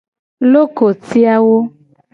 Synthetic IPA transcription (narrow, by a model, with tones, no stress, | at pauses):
lo˦ko˨ti˦a˦wo˦